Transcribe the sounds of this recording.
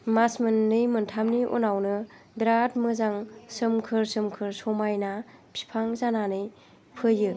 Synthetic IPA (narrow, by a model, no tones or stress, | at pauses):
masmɯnːɯjmɯntʰamniʔɔ̰nawnɯ | bɾat̚mɯzaŋsɯmkʰɯɾsɯmkʰɯɾsɔmajnapʰi̥pʰaŋzananɯj | pʰɯjɯ